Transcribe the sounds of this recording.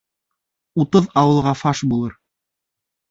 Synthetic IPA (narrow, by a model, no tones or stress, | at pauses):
ut̪ɤðɑwɤ̆lˠʁɑfɑʃbulˠɤɾ